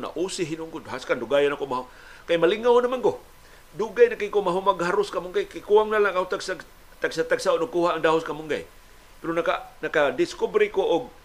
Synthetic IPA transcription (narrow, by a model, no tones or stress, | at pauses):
na̰ʔusiɦinʊŋkʊdɦaskanduɡajanakomaɦʊ | kajmaliŋawnamanko | duɡajnakiŋkomaɦumaɡɦaɾʊskamʊŋɡajkajkuaŋnalakaut̪aɡsa | t̪aɡsat̪aɡsaonʊɡkuhaʔːŋdaɦʊskamʊŋɡa̰j | peɾonakanakadɪskubɾikoʔʊɡ̚